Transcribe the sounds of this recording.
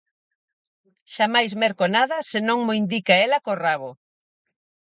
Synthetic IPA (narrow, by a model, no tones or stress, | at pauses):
ʃamajzmeɾkonaðɐsenõŋmoind̪ikaelakoraβo